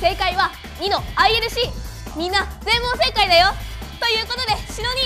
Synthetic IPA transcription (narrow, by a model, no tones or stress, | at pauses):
se̞ːkaiβa | ɲ̟ino̞aieɾɯ̟ɕi | mʲĩnːazẽ̞mbose̞kaid̪ajo̞t̪o̞jɯ̟ːko̞t̪o̞d̪e̞ɕino̞ɲ̟i